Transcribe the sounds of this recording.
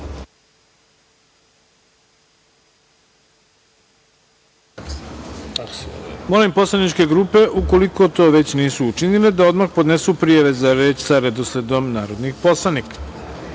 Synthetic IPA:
molimpo̞slˠanit͡ʃke̞ɡɾuːpe̞ʔuko̞liko̞t̪o̞ːʋe̞t͡ɕniːsuːt͡ʃinile̞d̪aod̪maxpo̞d̪nesupɾijaʋe̞zaɾeːt͡ʃsaɾed̪osle̞d̪o̞mnaːɾo̞d̪nixpo̞slˠanikḁ

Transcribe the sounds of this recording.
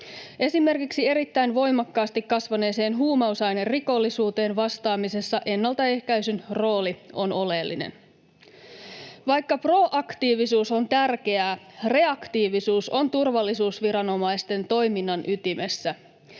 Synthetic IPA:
e̞sime̞rkiksie̞ɾit̪ːæjnʋo̞jmɑkːɑːst̪ikːɑsʋɑne̞ːse̞ːnɦuːmɑusɑjnerriko̞lːisuːt̪e̞ːnʋɑst̪ɑːmise̞sːɑʔe̞nːɑlt̪ɑe̞hkæysynro̞ːlio̞no̞le̞lːḭnḛn | ʋɑjkːɑpro̞ʔɑkt̪iːʋisuːsont̪ærk̟e̞ære̞ɑkt̪iːʋisuːso̞nt̪urʋɑlːisuːsʋiɾɑno̞mɑjst̪e̞nt̪o̞jminːɑnʔyt̪ime̞sːæ

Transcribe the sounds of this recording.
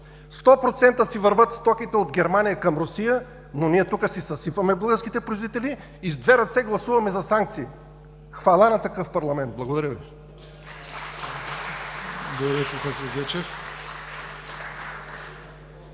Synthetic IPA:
st̪ɔpɾot̪sɛnt̪əsivəɾvət̪st̪ɔkit̪ɛod̪ɡʲɛɾmanijəkɐmɾosijə | noniɛt̪ukəsisɐsifɐmɛblˠɡəɾskit̪ɛpɾizit̪ɛliː | zd̪vɛɾɐt̪sɛɡlˠɐsuvɐmɛzɐsaŋk̚t̪siː | xvalˠanɐt̪ɐkɤfpɐɾlˠɐmɛnt̪̚blˠɐɡod̪ɐɾjəvi | ɡoɾɛkokat̪ɐɡ̪ʲɛt͡ʃɛf

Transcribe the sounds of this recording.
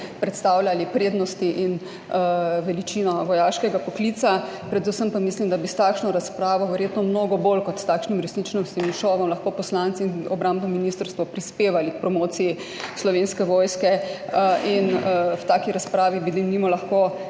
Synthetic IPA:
pɾɛt̪st̪aːwljalipɾeːd̪nɔst̪iʔin | ʋɛlit͡ʃinɔʋɔjaːʃkɛɡapɔkliːt̪sapɾɛd̪usəmpamislimd̪abist̪aːkʃnɔɾaspɾaːʋɔʋɛɾjeːt̪nɔmnoːɡɔbolkɔt̪st̪aːkʃnimɾɛsnit͡ʃnɔst̪imiʃɔʋɔmlaxkoːpɔslant̪siinɔbɾãmbnɔminist̪əɾst̪ʋɔpɾispeːʋalik̚pɾɔmoːt̪sii | slɔʋenskɛʋɔːjskɛ | inwt̪akiɾaspɾaːʋibid̪imnimɔlɐxko

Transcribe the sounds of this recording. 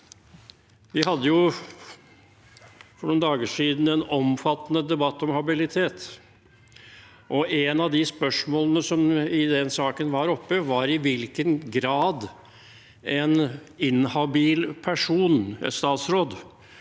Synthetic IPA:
ʋɪhɑd̪ːəjʊ | fɔɳʊːnd̪ɑːɡəʂiːd̪n̩ɛnɔmfɑt̪ːnəd̪ɛbɑt̪ːɔmhɑbɪlɪt̪ʰeːt̪ | ʔɔʔɛnɑʋd̪ɪspœʂmoːlənəsɔmɪd̪ɛnsɑːkənʋɑɾɔpːəʋɑɾɪʋɪlkənɡɾɑːd̪ | ɛnɪnhɑbiːlpʰæʂuːn̰st̪ɑːt̪sɾoːd̪

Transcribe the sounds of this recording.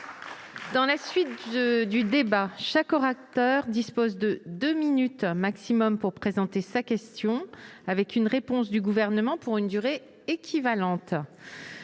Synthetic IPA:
d̪ɑ̃lasɥit̪̚d̪yd̪ebaʃakɔʁak̚t̪œʁd̪ispozd̪əd̪øminyt̪maksimɔmpuʁpχezɑ̃t̪esakʲɛst̪jɔ̃avɛkynʁepɔ̃s̬d̪yɡuvɛʁnəmɑ̃puʁynd̪yʁe | ekʲʰivalɑ̃t̪

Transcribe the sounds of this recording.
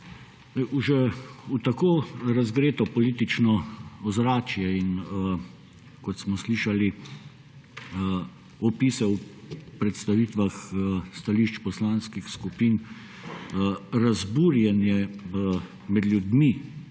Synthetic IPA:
uʒɛut̪akoːɾazɡɾeːt̪ɔpɔliːt̪it͡ʃnɔɔzɾaːt͡ʃjɛin | kɔt̪smɔsliʃali | ɔpiːsɛu | pɾɛt̪st̪aʋiːt̪ʋaxst̪aliːʃt͡ʃpɔslaːnskixskupin | ɾazbuːɾjɛnjɛ | mɛd̪lʲjud̪mi

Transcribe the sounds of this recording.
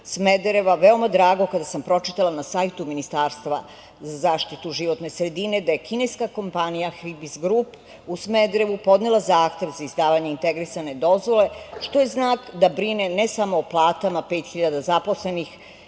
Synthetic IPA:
smed̪ɾeʋaʋeomad̪ɾaːɡo̞kad̪asampɾo̞t͡ʃit̪alˠanasajt̪uminist̪aːɾst̪ʋa̰ | zazaːʃt̪it̪uʒiʋo̞t̪ne̞sɾe̞d̪ine̞d̪ajekinejskako̞mpanijaxɾibizɡɾup | usmed̪ɾeʋupo̞d̪nelˠazaːxt̪e̞ʋzaizd̪aːʋaɲeint̪eɡɾisane̞d̪o̞zʋo̞le̞ʃt̪o̞je̞znaːkd̪abɾinenesamoːplˠaːt̪amape̞ːt̪xiʎad̪azapo̞sle̞nix

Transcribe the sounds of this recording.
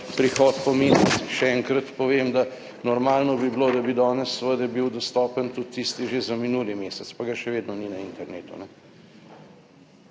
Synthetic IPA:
pɾixɔt̪pɔmesɛiʃɛɛŋkɾɐt̪pɔʋemd̪a | nɔɾmaːlnɔbibloːd̪abid̪ɔːnɛsːʋəd̪ɛbiwd̪ɔst̪ɔːpənt̪ut̪ːist̪iʒezaminuːlimeːsɛt̪spaɡaʃɛʋeːd̪nɔninaint̪ɛɾneːt̪ṵnɛ

